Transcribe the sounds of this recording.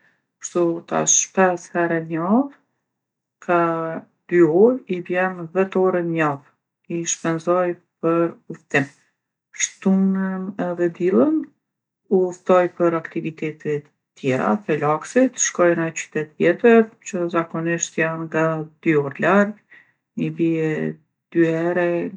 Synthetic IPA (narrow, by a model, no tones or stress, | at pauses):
pə̥ɾt̪ut̪a̰ʃpɛshɛɾɛɲav | kʰa | d̪̥yɔjivjɛnvɛt̪ɔɾɛnɲav | iʃpɛnzɔjpəɾuft̪im | ʃt̪unənɛðɛd̪ilˠən | uft̪ɔjpəɾakt̪ivit̪ɛt̪ʰɛt̪ | t̪ːjɛɾa̰θɛlaksit̪ʃkɔjnat͡ɕy̥t̪ɛt̪jɛt̪əɾt͡ɕəzakɔniʃt̪janŋɡad̪̥yɔɾlaɾɡ | ibiɛ | d̪̥yhɛɾɛ